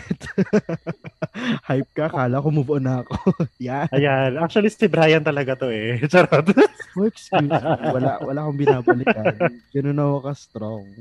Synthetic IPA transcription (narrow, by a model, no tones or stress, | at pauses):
t̪ | hajp̚kɐkaːlɐkomobʔonɐɐkojanɐjanak̚t͡ʃ̪uwɐlist̪ɛbɾaːjɐnt̪ɐlɐɡat̪oʔɛt͡ʃɐɾot̪oɛkskjuːswɐla̰wɐlaːkʊŋbɪnaːbɐlɪkanɡ̥ɐnonːɐwɐkɐst̪ɾoŋ